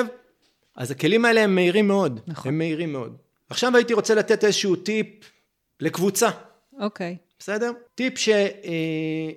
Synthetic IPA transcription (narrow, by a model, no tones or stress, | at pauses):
v | ʔa̰zake̞limae̞le̞emːeiʁimːeo̞dnχemːeiʁimːe̞o̞d | aχʃavait̪iʁo̞t͡selat̪e̞te̞zeʃuutip̚ | le̞kvut͡sa | okejb̥ese̞de̞ʁt̪ipʃe̞